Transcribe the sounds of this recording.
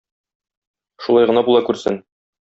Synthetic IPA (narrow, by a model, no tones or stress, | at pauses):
ʃulˠɑjʁɤ̆nɑbulˠɑkʉɾsɘ̰n